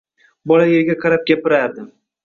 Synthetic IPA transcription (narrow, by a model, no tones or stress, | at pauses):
bɒlajeɾɡʲaqʰɑɾap̚ɡʲapɪɾaɾd̪ɪ